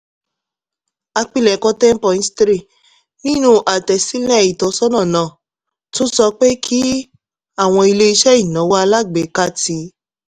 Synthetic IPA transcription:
a˧k͡pi˧lɛ˨kɔ˧˦tɛ̃˦m̩˦pɔ˨ĩ˨˦stɾi˦˨ | nĩ˦nũ˦ʔa˨tɛ˨si˦lɛ˦˨i˨tɔ˨˦sɔ˦nã˦˨nãː˨˦˨ | to˦sɔ˧k͡pe˦kʰi˦ | a˦˨w̃ɔ̃˧i˧le˦i˧ʃɛ˦i˦˨nã˨˦wa˦a˧la˦˨ɡ͡be˨˦ka˦ti˧˦

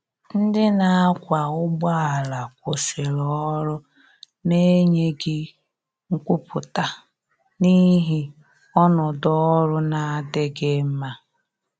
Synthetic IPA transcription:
n̩˦dɪ˦na˨a˦kʷa˨ʊ˦ɡ͡ba˦a˨la˨kʷo˨sɪ˨ɾɔ˨ɔ˦ɾʊ˦ | ne˦ɲe˦ɡɪ˦ | ŋ̩˦kʷu˦pʰʊ˨ta˦ | ni˦ɦi˦ | ɔ˦nɔ˨dɔ˦ɾʊ˦na˨˦dɪ˦ɡe˦m̩˦ma˦

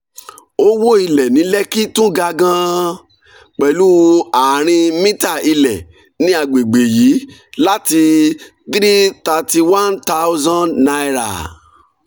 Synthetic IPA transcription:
o˦wo˦i˧lɛ˨nĩ˨˦lɛ˦ki˦tũ˦ɡa˧ɡã˧ | k͡pɛ˨lu˦a˨ɾ̃ĩ˧mĩ˦ta˦˨i˧lɛ˨ | nĩ˧˦a˨ɡ͡be˨ɡ͡be˨ji˨˦la˦ti˧ | t̪ɾi˦ta˧ti˧wã˦nta˦wzã˦dna˧˦˨ɾa̰˨

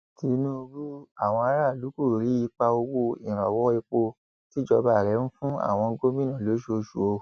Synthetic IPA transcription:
ti˨˦nũ˦˧bu˦a˦˨w̃ɔ̃˧a˧˦ɾa˦˨lu˨˦ku˦˨ɾi˨˦i˧k͡pa˧o˧wo˧ĩ˨ɾ̃ã˨wɔ˦i˧k͡po˧ | ti˦d͡ʒɔ˧ba˦˨ɾɛ˨˦ñ̩˦fũ˦a̰˦˨w̃ɔ̃˧ɡo˦mĩ˦nã˦˨lo˨˦ʃo˧ʃu˨o˧

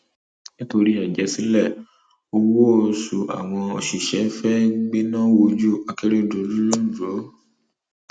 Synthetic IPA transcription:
nĩ˦to˧ɾi˦ɛ˨d͡ʒɛ˨˦sĩ˨˦lɛ˦˨ | o˧wo˦o˧su˨a̰˨w̃ɔ̃˧o˧ʃi˨ʃɛ˨˦fɛ˦ɡ͡be˦nã˦wo˧d͡ʒu˦a˧ke˦ɾe˦˨do˨˦lu˦lu˦d͡ʒo˨˦

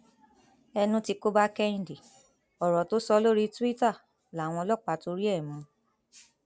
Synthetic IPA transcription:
ɛ˧nũ˦ti˧ko˦ba˦kɛ˦ĩ˨di˨ | ɔ˨ɾɔ˨to˦sɔ˧˦lo˦ɾi˦tu˦i˦ta˦˨ | la˨˦˨w̃ɔ̃˧lɔ˦˨k͡pa˧˦to˧˦ɾi˦ɛ˦˨mɔ̃˨˦

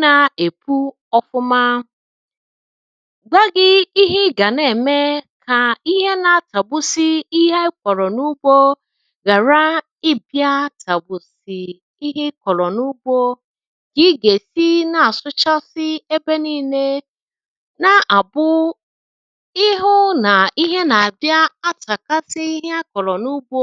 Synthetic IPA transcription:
na˨e˨pu˦ | ɔ˦fʊ˦ma˦ | ɡ͡ba˦ɡɪ˦i˦ɦɪ˦ɡa˨ne˨me˦kʰa˨i˦ɦe˦na˨ta˨bʊ˦si˦i˦ɦe˦kʷɔ˨ɾɔ˨nu˦ɡ͡bo˦ | ɣa˨ɾa˦ | ɪ˦bja˦tʰa˨bʊ˨sɪ˨ | i˦ɦe˦kʷɔ˨lɔ˨nu˦bo˦ | ɡ̥ɪ˦ɡe˨si˦na˨sʊ˦t͡ʃa˦sɪ˦e˦be˦niː˦ne˦ | na˨ʔa˨bʊ˦ | ɪ˦ɦʊ˦na˨i˦ɦe˦na˨a˨bja˦a˦ta˨ka˦sɪ˦i˦ɦe˦a˦kɔ˨lɔ˨nu˦bo˦

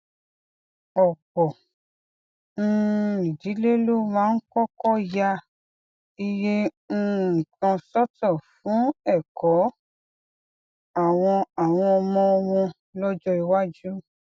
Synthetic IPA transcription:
ɔ˨kɔ˨ | n̩˦˧˦i˨d͡ʒi˨˦le˦lu˦mãː˦n̩˦kɔ˦kɔ˦ja˧ | i˧je˦ | n̩˦˧˨kã˧sɔ˦tɔ˦˨fũ˨˦ɛ˦˨kɔ˨˦ | a˦˨w̃ɔ̃˧a˨w̃ɔ̃˧ɔ˧mɔ̃˧wɔ̃˧ | lɔ˦d͡ʒɔ˦i˧wa˦d͡ʒu˦

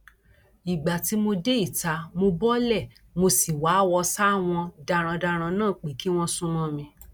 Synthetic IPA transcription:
i˨ɡ͡ba˨ti˨˦mo˧de˦i˦˨ta˧mo˧bɔ˦lɛ˦˨ | mo˧si˨wa˨˦˨wɔ˧sa˦˨w̃ɔ̃˧da˧ɾ̃ã˧da˧ɾ̃ã˧nãː˦˨k͡pe˨˦ki˦w̃ɔ̃˦sũ˦mɔ̃˧˦mĩ˧

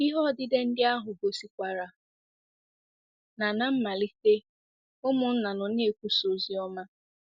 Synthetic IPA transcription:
i˦ɦɔ˦˨dɪ˦de˦n̩˦dɪ˦a˦ɦʊ˨bo˨si˨kʷa˨ɾa˨ | na˨na˦m̩˦ma˨li˦ke˦ | ʊ˦mʊ˨n̩˦na˨nʊ˨ne˨kʷu˦so˨zi˦ɔ˦ma˦

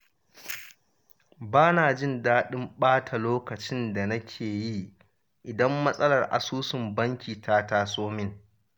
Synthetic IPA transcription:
baː˦naː˨d͡ʒɪ˦ndaː˦ɗɪ˦mɓaː˦tʰa˨loː˦kɐ˨t͡ʃɪ˦nda˨nɐ˦kʲʰeː˨ji˦ | ʔɪ˨dɐ˦mːɐ˦sʼɐ˦lɐ˨rʔa̰˨suː˦sɪ˨mbɐ˦ŋkʲiː˨tʰaː˦taː˦sʼoː˦mɪ˦ŋ

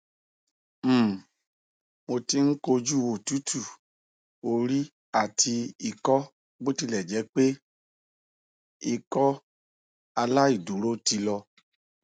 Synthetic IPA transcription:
mo˧ti˧ŋ̩˦ko˧d͡ʒu˦˨wo˨tu˨˦tʰu˦˨ | o˦˧ɾi˦ | a˦˨tʰi˧i˧˨kɔ˦ | bo˦ti˧lɛ˨d͡ʒɛ˨˦k͡pe˦ | i˧kɔ˦ | a˧la˦i˦˨du˨˦ɾo˦ti˧lɔ˧

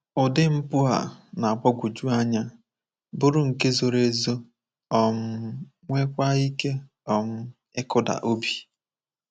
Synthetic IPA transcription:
ʊ˨dɪ˦m̩˦pʊ˦a̰˨na˨a˨ɡ͡bɔ˦ɡʷʊ˨d͡ʒu˦a˦ɲa˦ | bʊ˦ɾʊ˨ŋ̩˨ke˦zo˨ɾe˦zo˦ | ɔ˦˨m̩˦ | ŋʷe˦kʷa˦i˦ke˦ | ɔ˨m̩˦ | ɪ˦kʊ˦da̰˨ʔo˦bi˨

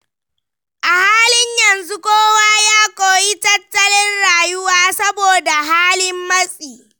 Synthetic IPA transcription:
ʔa˨haː˦lɪ˦ɲjɐ˨nzu˦kʷoː˦waː˦jaː˦kʷʼoː˨ji˦tɐ˦tːɐ˦lɪ˦nɽaː˨jʊ˦waː˦sɐ˦boː˨da˨ɦaː˦lɪ˦mːɐ˦sʼiː˨

